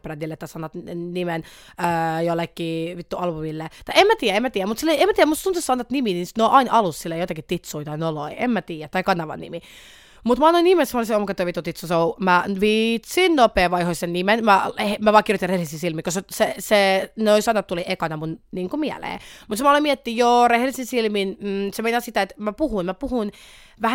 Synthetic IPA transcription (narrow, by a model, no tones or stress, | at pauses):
prænːilːeet̪ːæsɑnɑt̪nimenəːjolːekːiːʋit̪ːuɑlpumilːet̪ɑiemmæt̪iːjæemæt̪iːjæmut̪silːoiemæt̪iːjæmust̪unt̪sessɑnːɑt̪niminisnoʔɑinʔɑlusːilːejot̪ɑkit̪it̪suit̪ɑinoloiemmæt̪iːjæt̪t̪ːɑikɑnːɑʋɑ̰nːḭmi | mut̪mɑɑnːoinimesmoliseomukɑt̪ːoʋit̪ːut̪it̪susoumæʋit̪sinnopeːʋɑihoisennimenmæmæʋɑːkirjot̪irehelisisilmikoseseseneoisɑnːɑt̪t̪uliʔekɑnɑmunniːŋkumiæ̰lḛːmut̪semɑlomiɛt̪ːijoːrehelisinsilminm̩ːsemeinɑsit̪æet̪mæpuhunmæpuhun | ʋæhæ